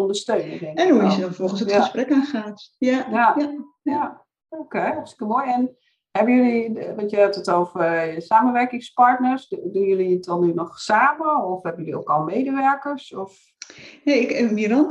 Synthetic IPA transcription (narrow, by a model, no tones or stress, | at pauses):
ɔndəstøːnədɛŋkɛnuisədɔnfɔlˠxən̩səəsprɛkaxaːtjajaa | a | okestɪ̥kəlˠmoːjɛn | hɛbənjøliʋɔtjəɛtətoːvəsaːməʋɛrkɪŋspaɹtnərsdunjøliət̚dɔnynɔχsaːməɔfhɛbənjølio̰ːkɔlˠmeːdəʋɛrkərsɔf | jaɪkmiəɾɔn